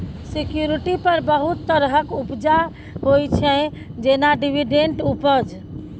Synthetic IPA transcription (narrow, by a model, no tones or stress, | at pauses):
sikjuɾiʈipəɾbəɦut̪ːəɾɦəkupd͡ʒa | ɦojt͡ʃʰɛ̃ | d͡ʒenaɖibiɖeɳʈupəd͡ʒ